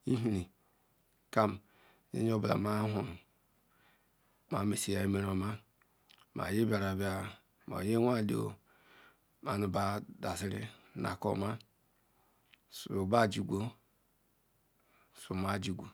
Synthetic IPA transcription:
i˦ɦi˨˦ɾi˨ | ka˦m˨ | jḛ˦ɲ˦o˦bla̰˨ma˦ɦu˨ | ma˨˦me˨si˨ja˦me˦ɾo˨ma˦ | ma̰˨ji˦bʲa˨ɾa˨ba˦ | ma̰˨je˦wʷa˦˨li˦o̰˨ | ma˨nu˨ba˦da˨si˦ɾḭ˦nʔa̰˨ko̰˦ma˦ | su˨ba˦˨d͡ʒi˨ɡʷo˦ | su˨ma˦˨d͡ʒi˨ɡʷo˨

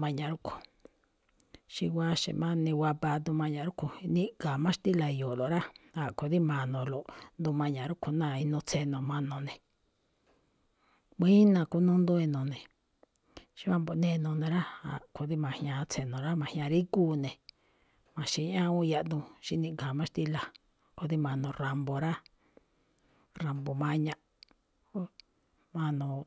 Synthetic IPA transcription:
mã˧ɲã˨ɾu˦kʰo̥˨ | ʃi˧wʷa˦ʃḛ˨mã˦nĩ˧wa˧pa˧d̪ũ˧mã˧ɲã˧ɾu˦kʰo˨˧nĩ˦ka˨mã˦ʃi̥˧t̪i˦la˨jo˨lo˨ɾa˦a˨ko˨ði˦mã˨nõ˧lo˨ʔnd̪ũ˧mã˧ɲã˨ɾu˦kʰo˧˨nã˦˨i˧nõ˧t͡se˧nõ˨mã˧nõ˧˨nẽ˨ | mĩ˦i˦nã˧ku˧˦nũ˧˦nd̪ũ˧i˧nõ˨nẽ˨ | ʃi˦βa˧mbo˧nẽ˧nõ˧˨nẽ˨ɾa˦a̰˨ko˧˨ði˦mã˨˧hɲã˧t͡sʰe˧nõ˨ɾa˦mã˨hɲ˧ã˧ɾi˦kuː˦nẽ˨ | mã˨ʃi˧˦ɲã˦ũ˦˧ja˧ʔd̪ũ˧ʃi˧nĩ˧ŋɡã˨mã˦ʃt̪i˧la˨ | ko˧ði˦mã˧nõ˧ra˨mbo˨ɾa˦ | ra˨mbo˨mã˧ɲã˧ʔ | mã˧nõ˧

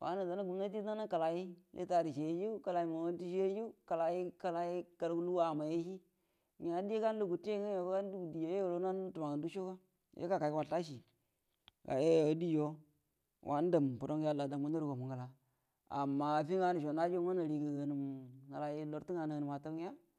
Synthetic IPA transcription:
wa̰˨˦na˨da˨na˦ɡu˨m˦na˦ti˦a˦na˦ka˨la˨ji˦jḛ˦ta˨ɾi˨ʃe˨je˦d͡ʒi˦ka˨la˨ji˦ma˨wa˦n˦ti˦ʃe˦d͡ʒi˦ka˨la˨ji˦ka˨la˨ji˦ka˨ɾku˦lu˦wa˨ma˨je˦ʃi˦ | ɲa˨˦di˦e˦ka˦n˦lu˦ɡu˨te˦ŋa˦o˨˦a˦n˦du˦u˨di˨jo˨˦je˦wo˨lo˦a˦n˦tu˨ma˨ŋa˨ndu˦ʃo˦ka˦ | jʔḛ˦ka˨ka˨˦a˨ta˦ʃi˨ | ka̰˨je˦jo˨˦di˦d͡ʒo˦ | wʔa̰˦n˦da˨mpu˨do˦ŋ˦ja˦la˨da˨mu˦n˦a˦ɾu˨ko˨mu˨ŋɡa˨la˨ | a̰˨mːa˨fi˦ŋa˨ni˨ʃo˨na˦d͡ʒo˦a˦na˨ɾi˨ɡa˨hə˨ni˨mŋa˨la˨ji˦lo˨ɾti˦ŋa˨ni˨hə˨ni˨ma˨to˦ja˦

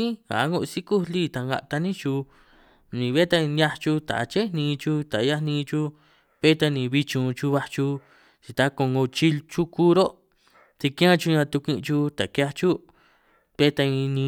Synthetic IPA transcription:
ĩ˦ha̰˨˦ŋu˧ʔsi˦ku˦li˦t̪a˧ŋɡa̰˧ʔt̪a˧nĩ˦t͡ʃu˧ | nĩ˨βja˦t̪a˧nja˧t͡ʃu˧t̪a̰˨˧t͡ʃe˦nĩː˧t͡ʃu˧t̪a˨˧ja˦nĩː˧t͡ʃu˧ | pe˦t̪a˧nĩ˧βi˧t͡ʃũ˧t͡ʃu˧βa˧t͡ʃu˧ | t͡ʃi˧t̪a˧ko˧ŋɡo˧t͡ʃi˦t͡ʃu˦ku˦ɾo˦ | t̪i˧kĩ˦ã˦t͡ʃu˧ɲã˧t̪u˧kʷĩ˧ʔt͡ʃu˧t̪a˨ka˧t͡ʃu˦ | pe˦t̪a˧ĩ˧nĩ˧

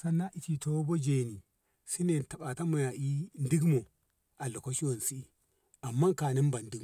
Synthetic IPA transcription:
sa˦nːa˦ʔi˨ti˨to˦bo˦d͡ʒe˨ni˨ | si˦ne˨nta˨ɓa˨ta˦mo˨ja˨ʔi˦n˦di˦ɡmo˨ | ʔa˨lo˨ko˦ʃi˦wo˨n˨si˦i˦ | a˨mːa˦ŋka˨ni˦mba˨ndi˦ɡ

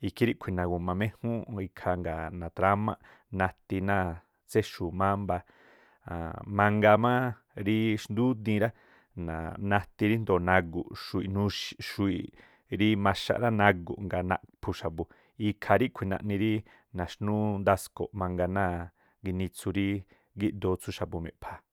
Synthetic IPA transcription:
i˧kʰi˦ɾi˦ʔkʷʰi˨nã˨ɡu˨mã˧mẽ˦hũ˦i˧kʰa˧ŋɡa˨nã˨t̪ɾa˧˦mã˧ʔ | nã˧t̪i˧nãː˦˨ | t͡se˦ʃu˨mã˦mba˧ | a˨mã˧ŋɡa˧mã˦ | ɾi˦ʃnd̪u˦d̪ĩ˧ɾa˦ | nã̰˨nã˧t̪i˧ɾi˦nd̪o˨nã˧ɡṵ˨ʃu˧i˨nũ˧ʃʃu˧i˨ | ɾi˦mã˧ʃa̰˧ʔɾa˦nã˧ɡṵ˨ʔŋɡa˧nã̰˧ʔpʰu˧ʃa˨bu˧ | i˧kʰa˧ɾi˦kʷʰi˨nã̰˧ʔnĩ˧ɾi˦ | nã˨ʃnũ˦nd̪a˧sko̰˨ʔmã˧ŋɡa˧nãː˦˨ | ɡi˧nĩ˧t͡sʰu˧ɾi˦ | ɡi˦ʔd̪o˧t͡sʰu˦ʃa˨bu˧mḛ̃˨pʰa˧

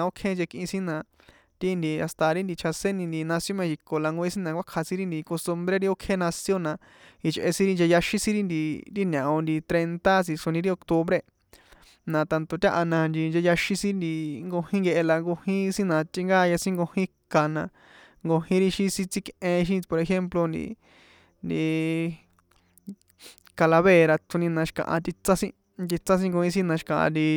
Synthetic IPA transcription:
ã˧o˦kʰẽ˦nd͡ʒe˧kʔĩ˧sĩ˦nã˧ | t̪i˦˧nd̪i˧a˧st̪a˧ɾi˦nd̪i˧t͡ʃʰa˧se˦nĩ˧nd̪i˧nã˧sjo˦mẽ˧ʃi˧ko˨la˧ŋɡo˧i˦sĩ˦nã˧kʷa˦kʰa˧sĩ˦ɾi˦nd̪i˧ko˧st̪u˧mbɾe˦ɾi˦o˦kʰe˦nã˧sjo˦nã˧ | i˧t͡ʃʔḛ˧sĩ˦ɾi˧nd͡ʒe˧ja˧ʃĩ˦sĩ˦ɾi˦nd̪i˧ɾi˦nã˨õ˧nd̪i˧t̪ɾe˧nt̪a˦si˧ʂo˧nĩ˧ɾi˦o˧kt̪o˧βɾe˧ | nã˧t̪a˧nt̪o˧t̪ʲa˦ʔa˧nã˧nd̪i˧nd͡ʒe˧ja˧ʃĩ˧sĩ˦nd̪i˧ŋɡo˧hĩ˦ŋɡe˧ʔe˧la˧ŋɡo˧hĩ˦˧sĩ˦nã˧t̪i˧ŋɡaː˦˧ja˧sĩ˦ŋɡo˧hĩ˦ka˨nã˧ | ŋɡo˧hĩ˦ɾi˦ʃĩ˧sĩ˧t͡si˦˧kẽ˧ʃ̬ĩ˦po˧ɾe˧xe˦mplo˧nd̪ḭ˧ | nd̪i˧ | ka˧la˧βe˦˨ɾa˧t̪ʰu˧nĩ˧nã˧ʃi̥˧kã̰˨ʔã̰˧t̪i˧t͡sã˦sĩ˦ | t̪i˧t͡sã˦s̬ĩ˦ŋɡo˧hĩ˧s̬ĩ˦nã˧ʃi̥˧kã˨ʔã̰˧d̪i˧

